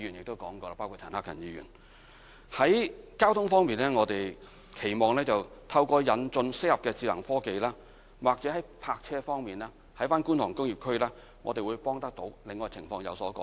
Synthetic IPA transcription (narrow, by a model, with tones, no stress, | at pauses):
yː˨˩njɪ˨k̚t̪o˥wkɔː˨˥ŋkɔː˧a˧paː˥wkʰu˨t̪ʰɐː˨˩naː˧kjɐ̰˨˩njiː˨˧jy̰˨˩n | hɐ˨˥jkaː˥wt̪ʰʊ˥ŋfɔː˥ŋmiː˨nlɛː˥ŋɔː˨˧t̪e˨j | kʰe˨˩jmɔː˨ŋlɛː˥t͡sɐ˨wt̪ʰɐ˧wkɔː˧jɐ˨˧nt͡sɵ˧nsɪ˥k̚hɐ˨p̚kɛː˧t͡siː˧lɐ˨˩ŋfɔː˥ke˨jlaː˥ | waː˨˩k̚t͡sɛː˨˥hɐ˨˥jpʰaː˧k̚t͡sʰɛː˥fɔː˥ŋmiː˨˩naː˥ | hɐ˨˥jfaː˥nkuː˥nt̪ʰʊ˨˩ŋkʊ˥ŋjiː˨˩p̚kʰɵ˥ɥlaː˥ | ŋɔ̰ː˨˧t̪e˨jwu˨˧jpɔː˥ŋt̪ɐ˥k̚t̪o˨˧˥wlɪ˨ŋːɔː˧t͡sʰɪ˨˩ŋfɔː˧ŋjɐ̰˨˧wsɔː˨˥kɔ̰ː˧